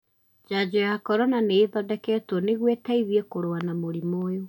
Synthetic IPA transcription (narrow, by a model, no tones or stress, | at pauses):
d͡ʒad͡ʑojakɔɾɔnaneːðɔdɛkɛtɔneɣwetaiðiekoɾoanamoɾimoːjo